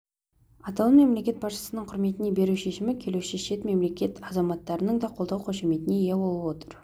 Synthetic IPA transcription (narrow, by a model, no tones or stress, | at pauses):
ɑt̪ɑlˠəme̞mle̞kʲe̞t̪̚bɑsʃə̥sənəɴqʰʊɾme̞t̪ɪne̞be̞ɾuʃe̞ʃɪmɪkʲʰe̞luʃeʃe̞t̪me̞mle̞kʲe̞t̪ɑzɑmɑt̪ːɑɾənəɴd̪ɑqʰolˠd̪ɑwqʰoʃeme̞t̪ɪneje̞bo̞lˠəwo̞t̪əɾ